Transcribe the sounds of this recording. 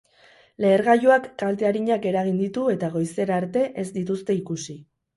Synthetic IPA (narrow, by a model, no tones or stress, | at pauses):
le̞ːɾɣaʝoakːalt̪e̞aɾiɲake̞ɾaɣind̪it̪ue̞t̪aɣo̞jse̞ɾaɾt̪e̞ʔe̞zd̪it̪ust̪e̞ikusi